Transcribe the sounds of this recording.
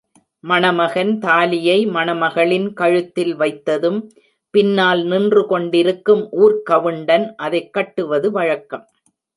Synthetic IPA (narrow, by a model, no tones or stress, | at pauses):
mɐnɐmɐɣɐnt̪aːlɪjɐɪmɐnɐmɐɣɐɭɪnkɐɻɯt̪ːɪlʋɐɪt̪ːɐðɯm | pɪnːaːlnɪndrɯkɔɳɖɪɾɯkːɯmʔuːɾkɐʋɯɳɖɐnʔɐðɐɪkːɐʈːɯʋɐðɯʋɐɻɐkːɐm